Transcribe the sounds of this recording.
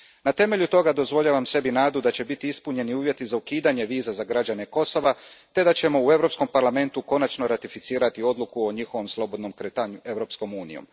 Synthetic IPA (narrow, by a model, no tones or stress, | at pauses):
nat̪e̞me̞ʎut̪o̞ɡad̪o̞zʋo̞ʎaʋamse̞binaːd̪ud̪at͡ɕe̞bit̪iispuɲe̞niuːʋje̞t̪izaukiːd̪aɲe̞ʋiːzazaɡɾad͡ʑane̞ko̞so̞ʋat̪e̞d̪at͡ɕe̞mo̞ue̞ʋɾo̞psko̞mpaɾlˠame̞nt̪uko̞nat͡ʃno̞ɾat̪ifit̪siːɾat̪io̞d̪lˠukuoɲixo̞ʋo̞mslˠo̞bo̞d̪no̞mkɾet̪aɲue̞ʋɾo̞psko̞muːnḭjo̞̰m